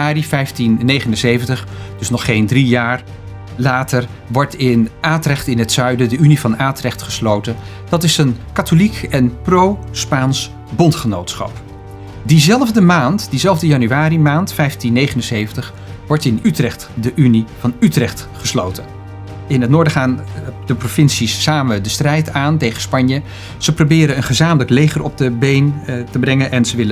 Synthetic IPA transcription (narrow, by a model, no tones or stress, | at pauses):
aːrifɛjftinːejχənənsejvəntəχd̥ɵsnɔχejndrijaːɹ | laːtəɹ | ʋɔɹtɪnʔaːtrɛχtɪnɦətsœɥdədəynivɑnaːtrɛχtχəslowtən | d̥ɑtɪsənkatolikɛnprowspaːns | bɔntχənowtsχɑ̰p | dizɛlˠvdəmaːntd̥izɛlˠvdəjɑnyaːrimaːntfɛjftinːejχənənsejvəntəχ | ʋɔɹtɪnytrɛχtdəʔynivɑnytrɛχt | χəslo̰wtə | ɪnɦətnʊːɹdəχaːndəprofɪnsisːaːmədəstrɛjtaːntejχənspɑɲjə | z̥əprowbɪːɾəənχəzaːmələklejχərɔ̰b̚dəbejntəbrɛŋənʔɛnzəʋɪlə